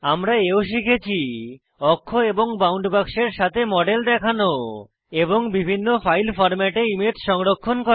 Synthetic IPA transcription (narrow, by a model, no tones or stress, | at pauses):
amɾaeoʃ̬ikʰet͡ɕʰi | ɔkʰːoeboŋbawɳɖbakʃeɾʃat̪ʰemɔɖeld̪ɛkʰano | eboŋbibʱinːofajlfɔɾmɛʈeimet̪ʃɔŋɾokʰːonko